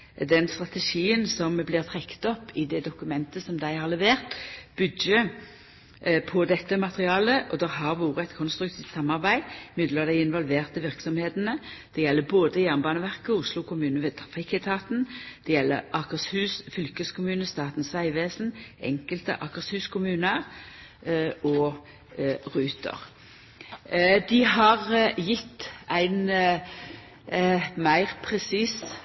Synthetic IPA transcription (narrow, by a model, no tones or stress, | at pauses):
d̪ɛnst̪ʁɑt̪ɛʃiːənsɔmblɪːʁt̪ʰʁɛkːt̪ɔpːɪd̪ɛd̪ʊkʉmɛnt̪əsɔmd̪æɪhɑʁlɛʋeːʁt̪bʏd̪jə | pʰɔd̪ɛt̪ːəmɑt̪əʁɪɑːləʔɔd̪ɛʁɦɑʁʋuːʁəɛt̪kʰɔnst̪ɾʉk̚t̪ʰiːft̪sɑmɑʁbæɪmɪd̪ləʁd̪æɪɪnʋɔlʋeːʁt̪əʋɪʁksɔmheːt̪nəd̪̥ɛjɛlːəboːd̪əjæʁnbɑːnəʋæʁkəʊslʊkʰʊmʉːnəʋeːt̪ʰfɪkɛt̪ʰɑːt̪n̩d̪̥ɛjɛlːə̰ʁɑkəʁshʉːsfʏlkəskʰʊmʉːnəst̪ɑːt̪n̩sʋæɪʋeːsn̩ʔɛ̰ŋkəlt̪ə̰ʔɑkəʁshʉːskʰʊmʉːnə | ɔ | ʁʉːt̪ʰə̰ʁ | d̪ɪɦɑʁjɪt̪ːæɪn | mæɪʁpʰʁɛsiːs